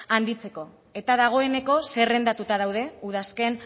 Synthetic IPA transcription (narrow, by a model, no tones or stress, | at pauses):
and̪it͡se̞ko̞ | e̞t̪aðaɣ̞o̞e̞ne̞ko̞se̞re̞nd̪at̪ut̪að̞awð̞e̞uð̞aske̞n